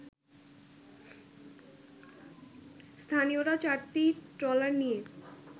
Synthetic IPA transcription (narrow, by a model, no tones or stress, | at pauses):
st̪ʰanioɾat͡ɕaɾt̪iʈɾɔlaɾnije